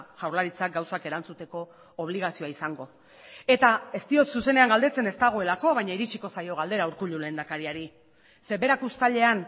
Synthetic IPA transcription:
ʝawɾlaɾit͡sak̚ɡawsake̞ɾant͡sut̪e̞ko̞ː | β̞liɣ̞asio̞aisaŋɡo̞ | e̞t̪ae̞st̪io̞t̪suse̞ne̞aŋɡald̪e̞t͡se̞ne̞st̪aɣ̞o̞e̞lako̞β̞ajɲaiɾit͡ʃiko̞sajo̞ɣ̞ald̪e̞ɾauɾkuʎule̞ːnd̪akaɾiaɾi | se̞βe̞ɾakust̪aʎe̞an

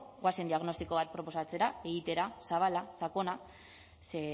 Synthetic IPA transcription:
ɣwasend̪iaɣno̞st̪iko̞βat̪̚pɾo̞po̞sat͡se̞ɾae̞ɣit̪e̞ɾasaβalasako̞na | se

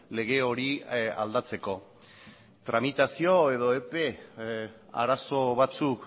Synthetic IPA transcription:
le̞ɣ̞e̞o̞ɾia̰ld̪at͡se̞ko̞ | t̪ɾamit̪asio̞e̞ðo̞epe̞ | a̰ɾaso̞βat͡suk

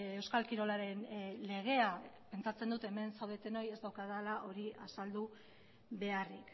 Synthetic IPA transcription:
ewskalkiɾo̞laɾe̞nle̞ɣ̞e̞ape̞nt͡sat͡se̞nd̪ut̪e̞me̞nsawð̞et̪e̞no̞je̞zd̪awkaðalaʔo̞ɾiasald̪u | βe̞arik

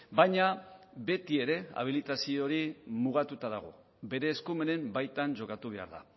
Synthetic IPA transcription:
bajɲaβe̞t̪ie̞ɾe̞a̰β̞ilit̪asio̞ɾimuɣ̞at̪ut̪aðaɣ̞o̞̰ | be̞ɾe̞ːskume̞ne̞mbajt̪anʝo̞kat̪uβe̞a̰ɾða̰

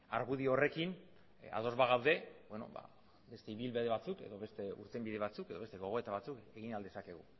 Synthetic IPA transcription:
aɾɣuðio̞re̞kin | a̰ðo̞zβaɣ̞awðe̞bweno̞̰ba̰ | be̞st̪e̞iβilβeðeβat͡suke̞̰ðo̞βe̞st̪e̞ṵɾt̪e̞mbiðe̞β̞at͡suke̞ðo̞βest̪e̞ɣo̞ɣo̞e̞t̪aβat͡suke̞ɣinald̪e̞sake̞ɣ̞u

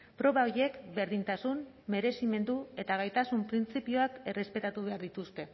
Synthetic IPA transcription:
pɾo̞βaoɾie̞kbe̞ɾðint̪asum | me̞ɾe̞sime̞nd̪ue̞t̪aɣ̞ajt̪asumpɾint͡sipioake̞re̞spe̞t̪at̪uβe̞aɾðit̪ust̪e̞

